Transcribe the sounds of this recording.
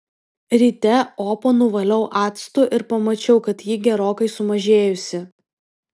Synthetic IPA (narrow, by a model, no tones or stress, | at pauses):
ɾʲiːt̪ʲɛoːponʊʋɐlʲɐʊʔɑːt̪st̪ʊʔɪɾpɐmɐt͡ʃʲɛʊkɐt̪jiːɡʲɛɾoːkɐɪsʊmɐʒʲeːjʊsʲɪ